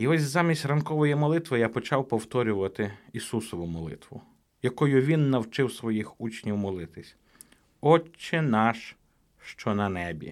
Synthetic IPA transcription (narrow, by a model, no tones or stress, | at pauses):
iɔsʲzɑmʲisʲtʲrɐnkɔʋɔjimɔlˠɪt̪ʋɪjapɔt͡ʃɑwpɔwt̪ɔɾʲʊʋɐt̪ɪisusɔʋʊmɔlˠɪ̰t̪ʋʊ̰ | jɐkɔjʊʋʲinːɐwt͡ʃɪwsʋɔjixut͡ʃnʲiwmɔlˠɪt̪ɪsʲ | ɔt͡ʃːɪnɑʃ | ʃt͡ʃɔnɐnɛbʲḭ